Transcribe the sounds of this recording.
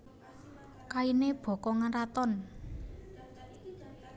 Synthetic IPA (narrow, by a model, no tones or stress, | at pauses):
kaineb̥ɔ̤kɔŋaɾat̪ɔn